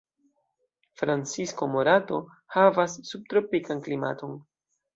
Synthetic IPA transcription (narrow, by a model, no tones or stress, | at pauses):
fɾant͡sisko̞mo̞ɾato̞ | havasːub̚tɾo̞pikanklima̰to̞n